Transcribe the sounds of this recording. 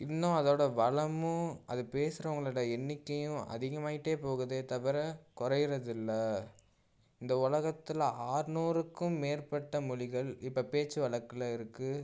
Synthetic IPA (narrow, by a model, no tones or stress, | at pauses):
ɪnːõɐðoːɽɐʋɐɭɐmɯ̃ɐðɯpeːsɯɾɐʋɐŋɡɐɭɯɽɐɛɳːɪkːɐjʊ̃ɐ̰ðɪɣɐmaːɣɪʈːeːpoːɣɯðeːt̪ɐʋɐɾɐkʊɾɐjɪɾɐðɪlːɐ | ɪnd̪ɐʊɭɐɣɐt̪ːɪlaːɾɯnuːɾɯkːɯmːeːɾpɐʈːɐmʊɻɪɣɐɭɪpːɐpeːt͡ʃːɯʋɐɭɐkːɯlɐɪɾɯkːɯ